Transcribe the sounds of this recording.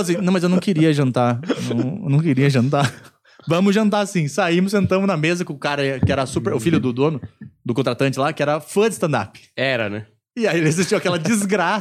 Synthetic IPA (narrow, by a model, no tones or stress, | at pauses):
fɐsĩnɐ̃w̃mɐzewnɐ̃w̃kɪɾiɐʒɐ̃nt̪anɐ̃ewnɐ̃w̃kɪɾiɐʒɐ̃nt̪aɾ | vɐ̃mʊzʒɐ̃nt̪aɾasĩsaĩmʊsẽnt̪ɐ̃mʊnɐmezɐkõkaɾɐɛkɪɛɾɐsupeɾʊfiljʊd̪ʊd̪õnʊd̪ʊkõt̪ɾat̪ɐ̃nt͡ʃɪlakɪɛɾɐfɐ̃d͡ʒ̪ɪst̪ɐ̃nd̪a̰pɪ̥ɛɾɐ̰nɛ | ɪaielɪezist͡ʃiwakɛlɐd͡ʒizɡɾa